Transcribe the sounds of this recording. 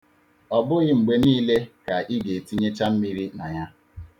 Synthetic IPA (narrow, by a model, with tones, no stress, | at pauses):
ɔ˨bʊ˦ɣɪ˦ŋ͡m̩˨ɡ͡be˨niː˦le˦ka˨ʔi˦ɡe˨ti˦ɲe˦t͡ʃa˦m̩˦mi˦ɾi˦na˨ɲa˦